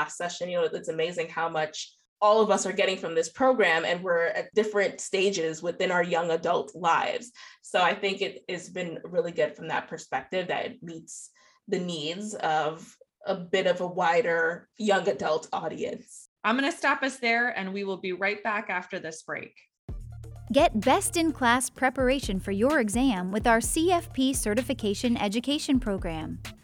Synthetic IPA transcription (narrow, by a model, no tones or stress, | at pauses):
sɛʃɨ̃noɨtsɨmeɪzɪ̃ŋhaʊmʌt͡ʃ | ɔlˠʌvʌsə˞ɡɛɾɪ̃ŋfɹʌ̃mðɪspʰɹ̥oʊɡɹæ̃mɨ̰̃nwɪɹɨt̚d̥ɪfɹɨ̃ntsteɪd͡ʒɪzwɨθɪ̃ñaʊə˞jʌ̃ŋɨdʌlˠtʰlaɪvz̥soʊaɪθɪ̃ŋkɨɾɨzbɨ̃nɹɪlˠiɡʊd̥fɹʌ̃mðɨ̰t̚pʰə˞spɛk̚tɨvðɨ̰ɾ̰t̚mits | ðɨnidzʌvəbɪɾʌvəwaɪɾə˞jʌ̃ŋɨdʌlˠtʰɔɾḭɨ̰̃nsʔãɪ̃mɡʌ̃nɨstɑpʌsðə˞ɨ̰̃nwiwəlˠbiɹaɪt̚b̥ækæftə˞ðɪsb̥ɹḛɪk | ɡ̥ɛt̚b̥ɛstɨ̃nkʰl̥æspʰɹ̥ɛpə˞eɪʃɨ̃nfə˞jə˞ɨɡzæ̃mwɨðaʊə˞siɛfpʰisɜ˞ɾɨfɨkʰeɪʃɨ̃nɛd͡ʒɨkʰeɪʃɨ̃npʰɹ̥oʊɡɹæ̃m